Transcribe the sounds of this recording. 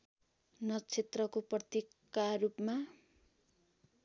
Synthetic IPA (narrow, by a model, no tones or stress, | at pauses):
nʌt͡sʰet̪rʌkoprʌt̪ikː | arupma